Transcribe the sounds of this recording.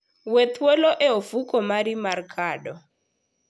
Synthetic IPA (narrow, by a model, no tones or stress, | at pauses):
wɛt̪ʰwɛlɔʔɛofukɔmaɾimarkʰaɗɔ